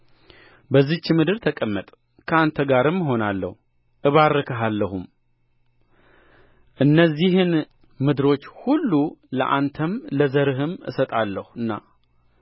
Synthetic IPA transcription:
bəzːiht͡ʃːɪmɨd̪ɨɾt̪ʰəkʼəmːət̪ʼ | kʰəant̪ʰəɡaɾɨmːɦo̞nalːə̰hu | ʔɨβaɾːəkʰəɦalːəhum | ʔɨnːəzːiɦɨn | mɨd̪ɨɾo̞t͡ʃːhulːulə̰ʔant̪ʰəmləzəɾɨɦɨmɨ̰sət̪ʼalːəhuɨnːa̰

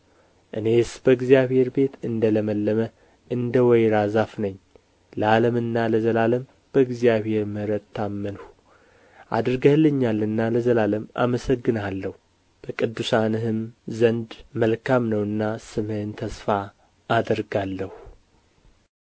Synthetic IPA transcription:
ʔɨne̞sbəɨɡzijaβhe̞ɾbe̞t̪ɨnd̪ələməlːəmə | ʔɨnd̪əwɔjɾazafnəɲː | ləaləmɨnːaləzəlaləm | b̥əɨɡzijaβhe̞ɾmɨhɾət̪ʰːamːənhu | ʔa̰d̪ɾɡəhlɨɲːalːɨnːaləzəlaləma̰məsəɡːɨnalːəhu | b̥əkʼɨd̪ːusanɨhɨmzənd̪məlkʰamnəwɨnːasɨmɨhɨnt̪ʰəsfaː | d̪əɾɡalːəhu

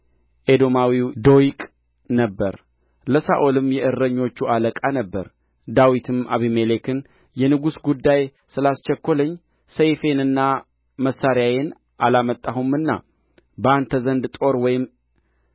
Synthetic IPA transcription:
ʔed̪o̞mawid̪o̞jikʼ | nəbːəɾ | ləsa̰ʔolɨmjɛʔɨɾːəɲːo̞t͡ʃːualəkʼanəbːə̰ɾ | d̪awit̪ʰɨmʔaβimelekɨn | jɛnɨɡusɡud̪ːaj | sɨlast͡ʃɛkːoləɲː | səjfe̞nɨnːa | məsːaɾjajen | ʔalamət̪ʼːaɦumːɨnːa̰ | bəant̪ʰəzənd̪t̪ʼo̞ɾwɔjɪm

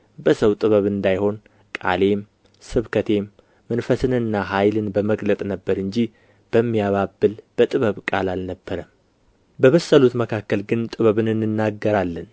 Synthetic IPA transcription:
bəsəwt̪ʼɨβəβɨnd̪ajho̞n | kʼa̰le̞m | sɨβkʰət̪ʰe̞mː | ənfəsɨnɨnːaɦajlɨnbəməɡlət̪ʼnəbːəɾɨɲd͡ʒi | b̥əmːijaβabːɨlb̥ət̪ʼɨβəβkʼalalnəbːəɾəm | bəβəsːəlut̪məkʰakːəlɡɨnt̪ʼɨβəβɨnɨnːɨnːaɡːəɾalːən

